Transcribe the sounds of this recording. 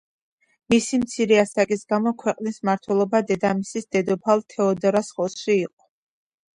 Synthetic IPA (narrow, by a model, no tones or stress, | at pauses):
misimt̪sʰiɾɛasakʼisɡamɔkʰwɛqʼnismaɾt̪ʰwɛlˠɔbad̪ɛd̪amisisd̪̥ɛd̪ɔpʰalˠt̪ʰɛɔd̪ɾasχɔsʃiːqʼɔ̥